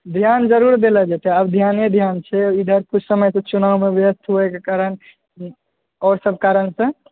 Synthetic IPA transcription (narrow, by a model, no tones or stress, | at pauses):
d̪ʱjand͡ʒəɾuɾd̪elɛd͡ʒat̪ɛəbd̪ʱjaned̪ʱjant͡ʃʰɛid̪ʱəɾkut͡ʃʰsəməjsə̃t͡ʃunawmebjəst̪ɦuɛkekaɾən | ɔɾsəb̚ʱkaɾənsə̃